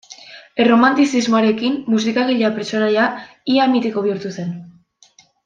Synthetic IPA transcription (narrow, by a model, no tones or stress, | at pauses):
ero̞mant̪isizmoaɾe̞kimːusikaɣiʎeapɾesonaja | iamit̪iko̞β̞iuɾt̪use̞n